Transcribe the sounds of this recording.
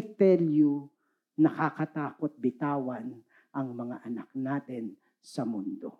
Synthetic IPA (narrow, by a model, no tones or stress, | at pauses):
t̪ɛlju | nɐkakɐt̪aːkot̪̚bɪt̪aːwɐn | ʔɐŋmɐŋaʔɐnak̚naːt̪ɛn | sɐmʊnd̪o̰